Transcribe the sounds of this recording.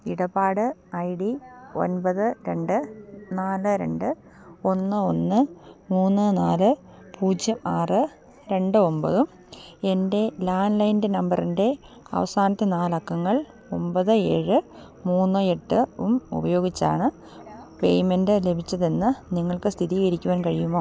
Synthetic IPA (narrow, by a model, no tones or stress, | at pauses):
iɽɐbaːɽɨɐjɽio̞̰nbɐðɨɾe̞ɳɖɨnaːlɨɾe̞̰ɳɖɨ | o̞nːɨo̞nːɨmuːnːɨnaːlɨ | pʰuːd͡ʑjɐmaːrɨ | ɾe̞ɳɖɨo̞mbɐðum | e̞nde̞laːnlɐjndenɐmbɐrinde̞ | ɐ̰ʋɐsaːnɐt̪ːe̞naːlɐkːɐŋːɐɭ | o̞mbɐðɨe̞̰ːɻɨ | muːnːɨe̞ʈːɨumṵbɐjo̞ːɡit͡ɕːa̰ːɳɨ | pe̞jme̞ndɨle̞bʱit͡ɕːɐðenːɨniŋːɐɭkɨst̪ʰiðijɐɾikʲːuʋaːnkɐɻijumːo̞ː